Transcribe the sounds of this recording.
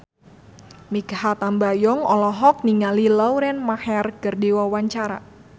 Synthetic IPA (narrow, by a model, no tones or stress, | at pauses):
mikhat̪ambajɔŋɔlɔɦɔk̚niŋalilawɾɛnmahɛrɡ̥ərdiwawaɲt͡ʃaɾa̰